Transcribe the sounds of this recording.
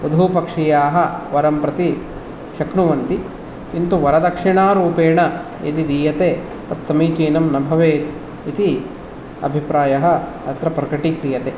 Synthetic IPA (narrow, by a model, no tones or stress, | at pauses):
ud̪ʱupɐkʂijaːɦɐʋɐɾɐmpɾɐt̪i | ʃɐknuʋɐnt̪i | int̪uʋɐɾɐd̪ɐkʂiɳaːɾuːpeːɳɐ | ḭt̪id̪iːjɐt̪e | p̪ɐt̪sɐmiːt͡ʃiːnɐmnɐbʱɐʋeːt̪ | it̪i | ɐ̰bʱipɾaːjɐɦɐ̆ | ɐt̪ɾɐpɾɐkɐʈikɾijɐt̪e